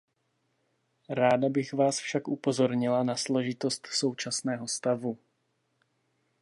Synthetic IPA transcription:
ɾaːdabɪxvaːsfʃakʔupo̞zo̞ɾɲɪlanaslo̞ʒɪt̪o̞st̪so̞wt͡ʃasnɛːɦo̞st̪avu

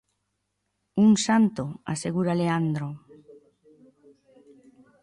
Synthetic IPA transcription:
uŋsant̪oa̰seɣuɾaleand̪ɾo

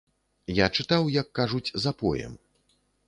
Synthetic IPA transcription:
jat͡ʂɨt̪awjɐkːaʐut͡sʲzapɔ̰jɛ̰m

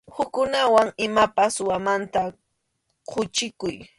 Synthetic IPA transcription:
hʊkːʊnawaŋɪmapaswamant̪a | qʰʊt͡ʃɪkʊj

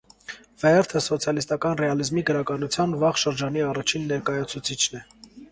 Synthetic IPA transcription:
vɛɛɾt̪ʰəsɔt͡sʰjɑlist̪ɑkɑnrɛɑlizmiɡəɾɑkɑnut͡sʰjɑnvɑχʃəɾd͡ʒɑniɑrɑt͡ʃʰinːɛɾkɑjɑt͡sʰut͡sʰit͡ʃʰnɛ

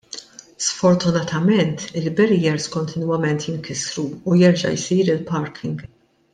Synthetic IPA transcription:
sfɔɾt̪ʊnɐt̪ɐmɛnt̪ɪlbɛɾiːjɛɾskɔnt̪ʰɪnwɐmɛnt̪jɪŋkɪsɾuːjɛɾd͡ʒɐ̰jsiːɾɪlpɐɾkʰɪŋɡ

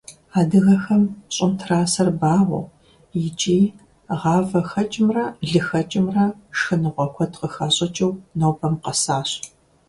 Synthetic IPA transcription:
aːdɨɣɐxɐmɕʼɪmtʰraːsɐrbaːʁʷɐ̰ | jɪt͡ʃʼiː | ʁɑːvɐxɐt͡ʃʼɪmrɐɮɨxɐt͡ʃʼɪmrɐʂxɨnɨʁʷɔkʷʰɔtqəxaːɕʼɐt͡ʃʼɐwnowpʰʼɐmqɐsaːɕ

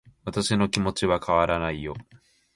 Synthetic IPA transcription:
βat̪aɕino̞kʲimo̞t͡ɕiβakʰaβaɾanaijo̞

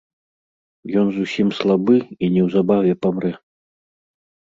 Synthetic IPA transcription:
jɔnzusʲimslˠabɨinʲɛwzabavʲɛpamɾɛ

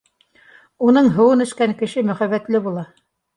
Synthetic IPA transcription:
unɤɴɦɤ̆wɤnɘ̆ʃkæŋkɘ̆ʃɘmɵ̆χæβːæt̪lɘbulˠɑ

